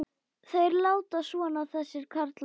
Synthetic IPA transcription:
θejɾlaːwt̪asɔːnaθɛsːɪɾ̥kʰaɾt̪l

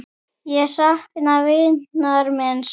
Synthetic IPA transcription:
jɛsaht̪ɪnavɪnaɾmɛns

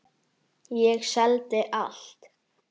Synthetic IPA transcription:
jɛɣsɛlt̪ɪʔalt̪

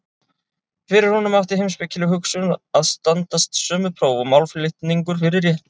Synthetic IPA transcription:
fɪɾɪɾ̥hunʏmawft̪ɪhejmspɪcʰːɪlʏɦʏksʏnaðst̪ant̪ast̪sœːmʏpʰɾoːwvɔmawlflɪht̪niŋkʏɾ̥fɪɾɪɾjɛht̪nɪ

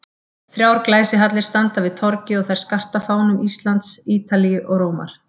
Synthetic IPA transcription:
fɾjaːwɾklaːjsɪɦat̪lɪɾ̥st̪ant̪avɪðt̪ʰɔɾcɪɔɣθajɾ̥skar̥t̪afaːwnʏmist̪lant̪siːt̪alijʏʔɔɣɾoːwma̰ɾ̥

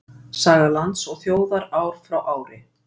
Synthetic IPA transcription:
saːɣalant̪sɔɣθjoːwðaɾaːwɾ̥fɾawʔaːwɾɪ̰

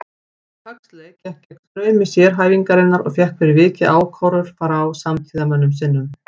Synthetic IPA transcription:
kʰakslɛcʰɛhcɛk̪ɾœːɥmɪsjɛːɾ̥ɦaːjviŋkaɾɪnːaɾɔ̰ɣfjɛhkvɪɾɪvɪːcɪʔaːwkʰɔwɾʏɾ̥faːɾaːwsamt̪ʰiːðamɛnːʏmsɪnːʏm

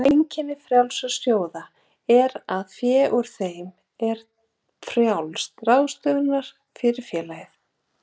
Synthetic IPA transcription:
ejɲcɪnɪfɾjawlsast̪joːwða | ɛɾaðfjɛːʔuɾ̥θejm | ɛɾ | fɾjawlst̪rawðst̪ʏɣnaɾ̥ | fɪɾɪɾ̥fjɛːlajɪθ

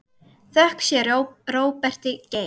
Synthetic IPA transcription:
θœhksjɛɾroːwpɛr̥t̪ɪce

